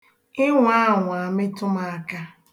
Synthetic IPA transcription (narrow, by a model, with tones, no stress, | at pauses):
ɪ˦ŋʷ˦a˦˨ŋʷʊ˨a˨mɪ˦tʊ˦ma˦a˦ka˦